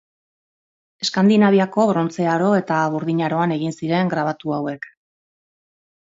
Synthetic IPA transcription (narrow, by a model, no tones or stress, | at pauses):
e̞skand̪inaβ̞iako̞βɾo̞nt͡se̞aɾo̞e̞t̪aβuɾðiɲaɾo̞ane̞ɣ̞insiɾe̞ŋɡɾaβ̞at̪uawe̞k